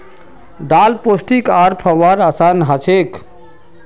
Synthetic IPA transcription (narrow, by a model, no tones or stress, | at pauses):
d̪aːlposʈikaɾpʰəʋaɾasanɦat͡ʃʰek